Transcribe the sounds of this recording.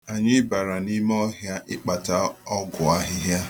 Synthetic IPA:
a˨ɲɪ˦ba˨ɾa˨ni˦m˦ɔ˦ɦja˦ʔɪ˦k͡pa˨ta˦ɔ˦ɡʊ˨a˦ɦɪ˦ɦja˦

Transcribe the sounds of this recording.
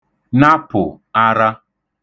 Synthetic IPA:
na˦pʊ˨ | a˦ɾa˦

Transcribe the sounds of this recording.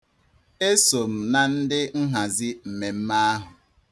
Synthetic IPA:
e˦so˨m̩˨na˨n̩˦dɪ˦ŋ̩˦ɦa˨zi˦m̩˨me˨m̩˦ma˦ɦʊ˨

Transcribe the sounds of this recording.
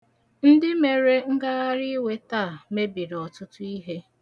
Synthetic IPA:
n̩˦dɪ˦me˨ɾe˦ŋ̩˦ɡa˦a˦ɾɪ˦we˦taː˦˨me˦bi˨ɾɔ˨tʊ˦tʊ˦i˦ɦe˦

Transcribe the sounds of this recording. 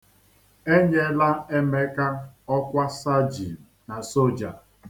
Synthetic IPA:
e˦ɲe˦la˦e˦me˦ka˦ɔ˦kʷa˦sa˦d͡ʒḭ˨na˨so˦d͡ʒa̰˨

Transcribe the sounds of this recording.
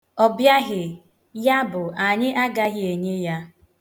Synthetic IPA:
ɔ˨bja˦ɣɪ˨ | ja˦bʊ˨ʔa˨ɲɪ˦ʔa˦ɡa˦ɣɪ˦e˨ɲe˦ja˦

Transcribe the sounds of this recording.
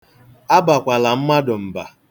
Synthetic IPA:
a˦ba˨kʷa˨la˨m̩˦ma˦dʊ˨m̩˨ba̰˨

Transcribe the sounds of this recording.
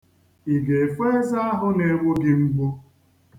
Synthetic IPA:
i˨ɡe˨fe˦e˦za˦a˦ɦʊ˦ne˨˦ŋʷʊ˦ɡɪ˦ŋ͡m̩˦ɡ͡bʊ˦

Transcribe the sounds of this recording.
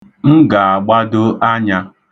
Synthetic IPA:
m̩˦ɡa˨a˨ɡ͡ba˦do˦ʔa˦ɲa˦

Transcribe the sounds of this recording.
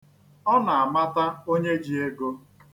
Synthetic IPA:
ɔ˦na˨a˨ma˦ta˦o˦ɲe˦d͡ʒi˨e˦ɡo˦

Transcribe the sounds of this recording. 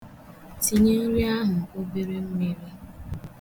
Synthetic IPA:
si˨ɲe˦n̩˦ɾi˦a˦ɦʊ˨o˦be˦ɾe˦m̩˦me˦ɾi˦

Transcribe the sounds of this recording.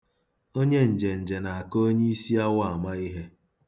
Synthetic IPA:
o˦ɲe˦n̩˨d͡ʒe˨n̩˨d͡ʒe˨na˨a˨ko˦ɲe˦i˦si˦a˦wa˦˨ma˦i˦ɦe˦

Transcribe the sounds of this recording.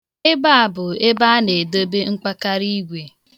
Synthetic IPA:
ɪ˦ba˦a˨bʊ˨e˦ba˦a˦ne˨do˦be˦ŋ͡m̩˦k͡pa˦ka˦ɾi˦ɡʷe˨

